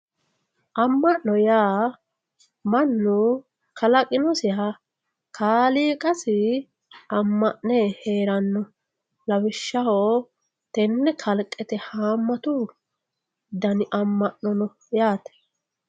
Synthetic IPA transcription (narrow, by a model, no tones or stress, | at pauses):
ʔɐmːɐʔːɔjaː | mɐnːʊ | kʰɐlɐkʼɪnɔsɪɦɐ | kʰaːliːkʼɐsɪ | ɐmːɐʔnɛheːɾɐnːɔ | lɐwɪʃːɐhoː | t̪ɛnːɛkʰɐlkʼːɛt̪ɛhaːmːɐt̪u | d̪ɐnɪʔɐmːɐʔnɔnɔ | jaːt̪ɛ̥